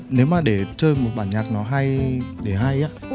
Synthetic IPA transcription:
ne˨˦wmaː˨˩ɗe˧˩t͡ɕəː˧jmo˨˩t̚ɓaː˧˩nɲaː˨˩k̚nɔ˨˦ɦa˧jɗe˧˩ɦa˧jʔaː˨˦

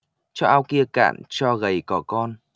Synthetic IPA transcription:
t͡ɕɔ˧ʔaː˧wki˧əka̰ː˧˨nt͡ɕɔ˧ɣə˨˩jkɔ˨˩kɔ˧n

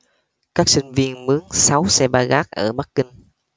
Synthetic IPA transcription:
kaː˦˥k̚sï˧ŋ̟vi˧ənmɨ˨˦əŋsa˨˦wsɛ˧ɓaː˧ɣaː˦˥k̚ʔəː˧˩ɓa˦˥k̚ːï˧ŋ̟

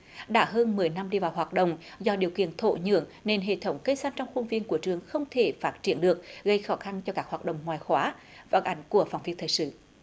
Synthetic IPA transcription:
ɗa̰ː˧˥ɦəː˧nmɨ˨˩əjna˧mɗi˧vaː˨˩wɦwaː˨˩t̚ɗə̰˧˨wŋ͡mzɔ˧ɗi˨˩əwkḭ˧˨ənt̪ʰo̰˧˨ɲɨ̰˧˨əŋne˧nɦḛ˧˨t̪ʰə˨˦wŋ͡mkə˧jsa˧nt͡ɕɔ˧wŋ͡mxu˧nvi˧ənku˧˩ət͡ɕɨ˨˧˩əŋxə˧wŋ͡mt̪ʰe˧˩faː˦˥t̚t͡ɕi˧˩ənɗɨ˨˩ək̚ɣə˧jxɔ˨˦xa˧nt͡ɕɔ˧kaː˦˥k̚haː˨˩t̚ɗə̰˧˨wŋ͡mŋwaː˨˩jxwaː˨˦va̰˧˨˦nʔa˨˦jŋ̟ku˧˩əfaː˨˩wŋ͡mvi˦ət̪ʰəː˨˩sɨ̰˧˨

